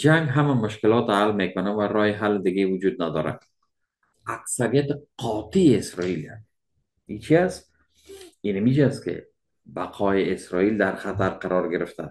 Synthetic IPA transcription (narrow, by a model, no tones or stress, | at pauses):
d͡ʒaŋɡɦamamʊʃkɪlɒt̪almekʊnavaɾɒhɪɦalːɪd̪ɪɡevʊd͡ʒud̪̚nad̪ɒɾa̰̥ | aksaɾijat̪ɪqʰɒt̪iesɾɒilja̰k | it͡ʃʰiast̪ | inamid͡ʒast̪kɪ̰ | baqʰɒɪesɾɒild̪aɾχat̪aɾqaɾɒɾɡeɾɪft̪a̰